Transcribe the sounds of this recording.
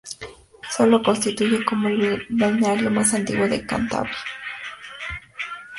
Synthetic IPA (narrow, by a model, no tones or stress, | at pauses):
solokonst̪it̪ujakomunaɲaʎomasant̪iɣod̪eka̰nt̪a̰be̥